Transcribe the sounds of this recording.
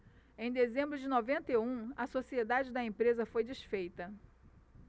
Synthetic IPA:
ẽj̃d̪ezẽmbɾʊd͡ʒɪnovẽnt̪eũɐsosied̪ad͡ʒɪd̪ɐẽpɾezɐfojd͡ʒisfejt̪ɐ

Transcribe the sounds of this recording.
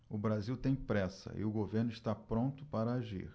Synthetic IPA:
ʊbɾaziwt̪ẽj̃pɾɛsɐ̰ʔɪ̰ʊɡoveɾnʊist̪apɾõnt̪ʊpaɾɐaʒḭɾ

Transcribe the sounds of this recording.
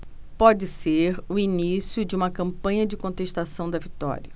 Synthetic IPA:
pɔd͡ʒɪseɾʊinisjʊd͡ʒɪũmɐkɐ̃mpɐ̃ɲɐd͡ʒɪkõnt̪eʃt̪asɐ̃w̃d̪ɐvit̪ɔ̰ɾiɐ

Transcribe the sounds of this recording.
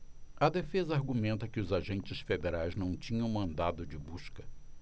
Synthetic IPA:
ɐd̪efezɐaɾɡumẽnt̪ɐkɪʊzaʒẽnt͡ʃɪsfed̪eɾajznɐ̃w̃t͡ʃĩɲɐ̃w̃mɐ̃nd̪ad̪ʊd͡ʒɪbuskɐ

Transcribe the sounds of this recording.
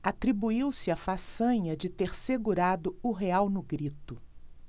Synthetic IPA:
at̪ɾibuiwsɪafasɐ̃ɲɐd͡ʒɪt̪eɾseɡuɾad̪ʊʊɦeawnʊɡɾit̪ʊ

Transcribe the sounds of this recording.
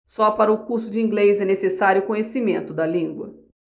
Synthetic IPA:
sɔpaɾɐʊkuɾsʊd͡ʒɪĩŋɡlejzɛnesesaɾjʊkõɲesimẽnt̪ʊd̪ɐlĩɡwɐ̰

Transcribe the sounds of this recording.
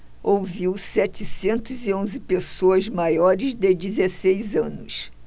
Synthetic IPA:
owviwsɛt͡ʃɪsẽnt̪ʊziõzɪpesoɐzmajɔɾɪzd̪ed͡ʒizesejzɐ̃nʊs

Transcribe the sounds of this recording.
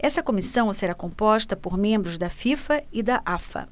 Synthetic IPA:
ɛsɐkomisɐ̃w̃seɾakõpɔʃt̪ɐpoɾmẽmbɾʊzd̪ɐfifɐɪd̪ɐʔafɐ̰

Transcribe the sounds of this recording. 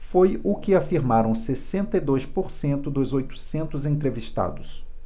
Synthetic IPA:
fojʊkɪafiɾmaɾɐ̃w̃sesẽnt̪ɐjd̪ojspoɾsẽnt̪ʊd̪ʊzojt̪ʊ̥sẽnt̪ʊzẽt̪ɾeviʃt̪a̰d̪ʊs

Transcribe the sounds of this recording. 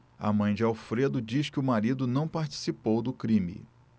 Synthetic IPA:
ɐ̰mɐ̃j̃d͡ʒɪawfɾed̪ʊd͡ʒiskɪʊmaɾid̪ʊnɐ̃w̃paɾt͡ʃi̥sipowd̪ʊkɾĩmḭ

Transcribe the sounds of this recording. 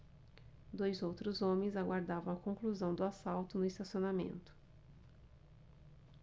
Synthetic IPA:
d̪ojzowt̪ɾʊzõmẽzaɡwaɾd̪avɐ̃w̃ɐkõkluzɐ̃w̃d̪ʊasawt̪ʊnʊɪst̪asionamḛ̃nt̪ʊ̥

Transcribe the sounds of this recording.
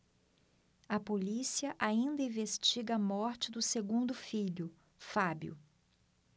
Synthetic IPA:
ɐpolisiɐʔaĩnd̪ɐĩvest͡ʃiɡɐɐmɔɾt͡ʃɪd̪ʊseɡũnd̪ʊfiʎʊ | fabjʊ̰

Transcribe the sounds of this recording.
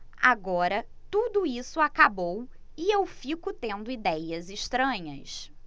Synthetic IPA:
a̰ɡɔɾɐt̪ud̪ʊisʊakabow | iewfikʊt̪ẽnd̪ʊid̪ɛjɐzɪʃt̪ɾɐ̃ɲɐs

